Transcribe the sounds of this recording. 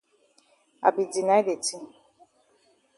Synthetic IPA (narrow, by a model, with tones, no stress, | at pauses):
a̰˨bi˨di˨na˦jde˨ti˦